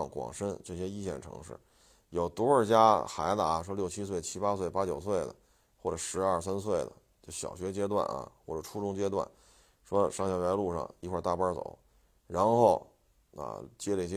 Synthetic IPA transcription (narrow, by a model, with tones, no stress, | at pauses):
ŋkwɑ̰˨˩ŋʂə˥nʈ͡ʂɤ˥˩ɕjɛ˥i˥ɕjɛ̰˥˩nʈ͡ʂʰɤ̰˧˥ŋʂɻ̩̰˥˩ | jo˨˩ʊt̪u˧˥ə˞˥˧t͡ɕja˥xa˧˥ɪt̪a̰˧˩˧ʂwɔ˥ljʊt͡ɕʰi˥s̬we˥˩ɪt͡ɕʰi˥pa˥swe˥˩ɪpa˥t͡ɕjo˨˩ʊswe˥˩ɪd̪ə̰˩ | xwɔ˥˩ʈ͡ʂɤ˨˩ʂɻ̩˧˥ɐ˞˥˩sa˥ns̬we˥˩ɪlə̰˩ | t͡ɕjo˥˧˩ʊɕjɑ̰˨˩ʊɕɥɛ˧˥t͡ɕjɛ˥t̪wa̰˥˩nɐ̰˨˩xwɔ̰˥˩ʈ͡ʂɤ˨˩ʈ͡ʂʰu˥ʈ͡ʂʊ˥ŋt͡ɕjɛ˥t̪wa̰˥˩n | ʂwɔ˥ʂɑ˥˩ŋɕjɑ˨˩ʊjɛ˧˥ɪlu˥˧ʂɑ̰˥˩ŋi˧˥kʰwa˥˧t̪a˥˩pə˥t͡so̰˨˩˦ | ɻa˧˥nxo˥˩ʊ | ə̰˧˩t͡ɕjɛ˥lə˧i˧˩ɛ˥